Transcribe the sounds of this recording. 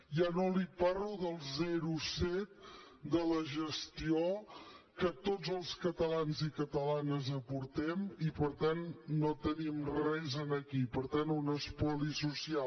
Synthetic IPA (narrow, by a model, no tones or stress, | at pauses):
janoliparuðəlˠzɛɾusɛt̪̚ | d̪ələʒəst̪iokət̪ozəlˠskət̪əlanzikət̪əlanəzəpuɾt̪ɛmipəɾt̪anːot̪ənimrɛzənəkipəɾt̪anunəspɔlisusia